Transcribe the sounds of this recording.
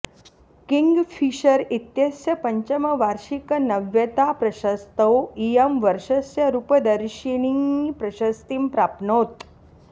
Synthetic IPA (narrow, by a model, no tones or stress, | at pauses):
kiŋɡfʰiʃəɾit̪jɐsjɐpɐɲt͡ɕəməʋaɾʃikənɐʋjət̪apɾɐʃast̪əwijəmʋəɾʃɐsjɐɾupəd̪əɾʃiɳ̃iŋpɾɐɕɐst̪impɾapnot̪